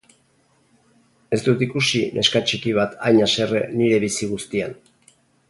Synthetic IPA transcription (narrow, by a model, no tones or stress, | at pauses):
e̞st̪ut̪ikusinʔe̞̰skat͡ʃikiβ̞at̪ajɲase̞rḛniɾe̞βisiɣ̞ust̪ian